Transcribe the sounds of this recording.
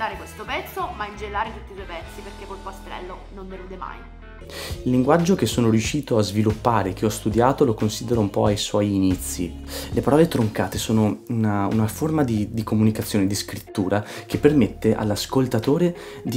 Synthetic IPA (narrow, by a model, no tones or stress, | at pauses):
d̪aːɾekwest̪opɛt̪sːomaind͡ʒelːaːɾet̪ut̪ːiswɔjpɛt̪sːiperkekːolpast̪ɾɛ̰lːo | nond̪eɾuːd̪ema̰j | ilːiŋɡwad͡ʒːok̟esːoːnoɾjuʃiːt̪oazvilupːaːɾeːk̟ːeɔst̪ud̪jaːt̪olokonsid̪eɾoumpɔajswɔjːnit̪sːḭ | lepaɾɔːlet̪ɾoŋkaːt̪esoːnounaṵnaformad̪id̪ikomunikat̪sːjoːned̪iskɾit̪ːuːɾak̟epːermet̪ːeʔa̰lːaskolt̪at̪oːɾe | d̪i